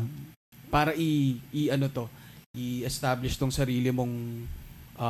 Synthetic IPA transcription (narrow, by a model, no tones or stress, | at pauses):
paːɾɐʔiʔːʔɐno̞t̪o̞ʔiʔɛst̪aːblɪʃt̪oŋsɐɾiːlɪmo̞ŋ | ʔɐ